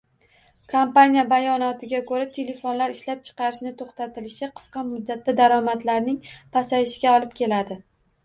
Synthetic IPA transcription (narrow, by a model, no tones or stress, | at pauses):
kʰompanʲijabajɒnɒt̪ʰɪɡʲakʰɵɾat̪ʰe̞lefonlaɾɪʃlap̚t͡ʃʰɨ̥qɑɾɪʃnɪt̪ʰoχt̪at̪ɪlɪʃɪqʰɨ̥sqɑmʊd̪ːat̪ːad̪aɾɒmat̪laɾnɪŋpʰasajɪʃɪɡʲaɒlˠɪp̚kʲʰe̞lad̪ɪ